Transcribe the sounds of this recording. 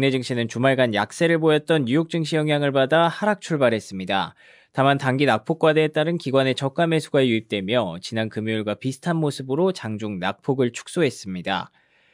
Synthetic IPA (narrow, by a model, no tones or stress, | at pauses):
ne̞d͡ʑɯŋɕʰinɯnt͡ɕumaɭɡanja̰k̚s͈e̞ɾɯɭbojʌt̚t͈ʌnjujok̚t͡ɕ͈ɯŋɕʰijʌŋɦjaŋɯɭbadahaɾak̚t͡ɕʰuɭbaɾɦe̞s͈ɯmɲida̰ | tamantaŋɡinak̚pʰok͈̚wadeet͈aɾɯnkiɡwane̞t͡ɕʌk͈ame̞sʰuɡaejuip̚t͈e̞mjʌt͡ɕinankɯmjouɭɡwapisʰɯ̥tʰanmosʰɯbɯɾot͡ɕaŋd͡ʑuŋnak̚pʰoɡɯɭt͡ɕʰu̥k̚s͈oɦe̞s͈ɯmɲida̰